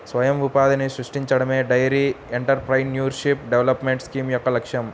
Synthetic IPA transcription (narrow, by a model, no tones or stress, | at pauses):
sʋɐjɐmʋupaːd̪ɐnisɾuʂʈiɲt͡ʃɐɽɐmeːɖɐjɐɾi | eɳʈɐɾpɾɐjnnjuːɾʃipɖeʋlɐpmeɳʈskiːmjɔkːɐlɐkʂjɐm